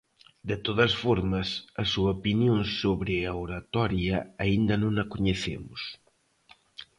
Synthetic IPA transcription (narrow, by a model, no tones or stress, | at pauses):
d̪et̪oðɐsfɔɾmɐsɐsuɐopinjõŋsoβɾeaoɾat̪ɔɾjɐaind̪ɐnõŋɐkoɲeθḛmʊs